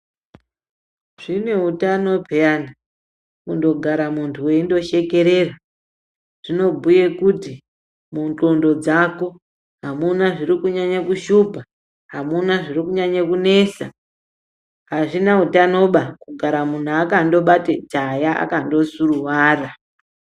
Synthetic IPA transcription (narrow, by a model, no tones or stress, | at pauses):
ʐ̥ine̞utano̞bʱejana | kundo̞ɡʱaɾamuntʰuwe̞indo̞ʃe̞ke̞ɾe̞ra | ʐ̥ino̞bʱuje̞kuti | muntondo̞d͡zako̞ | ɦamunaʐirɾikuɲaɲakuʃubʱa | ɦamunaʐirikuɲaɲakune̞sa̰ | ɦaʐinautano̞ɓakuɡʱaɾamun̤uakando̞ɓated͡ʒajaa̰kando̞suruwaːra